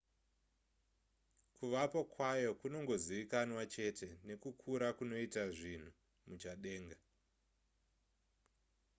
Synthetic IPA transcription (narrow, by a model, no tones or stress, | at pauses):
kuʋapokwajo̞kuno̞ŋɡo̞ziʋikanwat͡ʃe̞tʰe̞ne̞kukʰuɾakuno̞itaʐin̤u | mut͡ʃaɗe̞ːŋɡa